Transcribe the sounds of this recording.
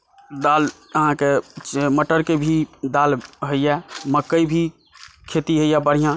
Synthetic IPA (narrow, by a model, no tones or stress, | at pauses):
d̪aːl | ɦãket͡ʃməʈəɾkebʱid̪aːlɦəijɛməkːəibʱi | kʰeːt̪iɦəijɛbəɽ̤ijã